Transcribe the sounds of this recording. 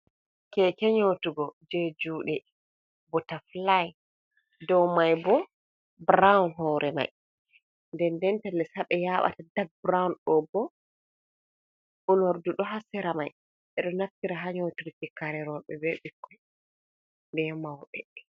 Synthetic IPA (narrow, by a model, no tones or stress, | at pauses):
kɛkɛɲotuɡɔd͡ʒed͡ʒuːɗɛ | bɔtaflaj | dɔwmajbɔ | bɾawnɦɔɾʔɛma̰j | ndɛndɛntalːɛsaɓɛjaɓa̰tadaɡ̚bɾawnɗɔbɔ | ʔunoɾduɗɔɦasɛɾamaj | ʔɛɗɔnaftiɾaɦaɲotuɾikɛkaɾɛɾɔɓɛbɛɓikːɔ | ndɛmawɓɛ